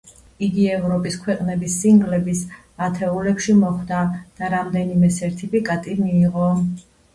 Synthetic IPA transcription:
iɡiɛvɾɔpʼiskʰwɛqʼnɛbisːiŋɡlɛbis | at̪ʰɛulɛpʃimɔχd̪ad̪̥aɾamd̪ɛnimɛsɛɾt̪ʰipikʼat̪ʼimiːʁɔ

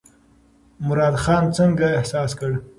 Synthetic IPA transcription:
mʊɾɑːd̪xɑnt͡səŋɡaɪhsɑːskəɽ

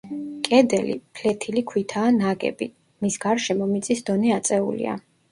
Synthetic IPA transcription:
kʼɛd̪ɛlḭpʰlɛt̪ʰilikʰwit̪ʰaːnaɡɛ̰bḭ | misɡaɾʃɛmɔmit̪sʼisd̪ɔnɛat̪sʼɛṵlḭa̰

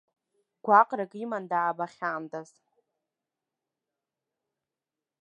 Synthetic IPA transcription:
ɡ̥ʷaqʼrakʼimandaːbaχʲaːmtʼaz̥

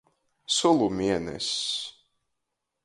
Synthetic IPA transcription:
sulˠumʲiɛnɛ̰s

